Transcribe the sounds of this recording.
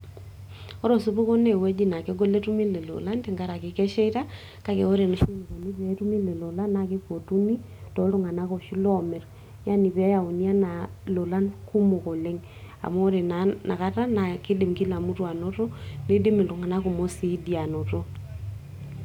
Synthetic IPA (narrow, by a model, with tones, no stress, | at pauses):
ɔ˦ɾo˨su˦pu˦kɔ˦ne˨wɛ˦d͡ʒi˦na˨ke˦ɡo˦le˦tu˦mi˦le˨lo̰˨la˦nti˨ŋɡa˦ɾa˨kɪ˨kɛ˦ʃɛ˦ta˦ | ka˦ke˨o˦ɾe˨no˨˦si˦n˨ko˨ni˦pe˨˦tu˦mi˦lɛ˨lɔ˨la˦na˨kɪ˦po˨tu˦mi˦ | tɔ˨lu˦ŋa˨na˦kɔ˨ʃi˦lɔ˦˨mɛ˨ɾ | ja˦ni˨pɛ˨˦ja˨u˨ni˦a˦na˨ | lo˨la˦nku˦mo˨ko˨le˦ŋ | a̰˨mo˦ɾe˨na˨˦na˨ka˦ta˦na˨kɪ˦dɪ˨mki˦la˨mu˦twa˨no˦tɔ˦ne˦dɪ˦mɪ˨lu˨ŋa˨na˦ku˨mo˦si˦di˨a˨nɔ˨to˦